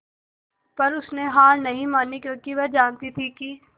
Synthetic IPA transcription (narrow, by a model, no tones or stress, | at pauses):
pɐɾʊsneɦaːlnɐɦĩmaːnikjõːkiʋɐd͡ʒaːnt̪it̪ʰiki